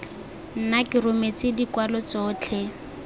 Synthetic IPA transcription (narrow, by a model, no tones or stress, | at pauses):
n̩nakɪrʊmet͡sɪdikwalɔt͡sɔːt͡ɬʰe